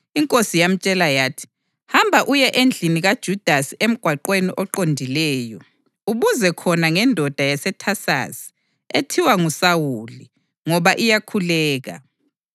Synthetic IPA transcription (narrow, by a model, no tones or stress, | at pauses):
iŋkʼosijam̩t͡ʃʼɛlajaːtʰi̥ | hambʱaʔujɛʔend͡ɮʱiniɣad̥ʒ̥ʱud̥ʱasiʔem̩ɡ̥ʱwaǃweniʔɔǃondʱilɛːjɔ | uβuzɛkʰɔnaŋɛndʱɔd̥ʱajasɛtʰasa̰si̥ | etʰiwaŋusawuli | ŋɔβaʔijakʰulɛːɣa̰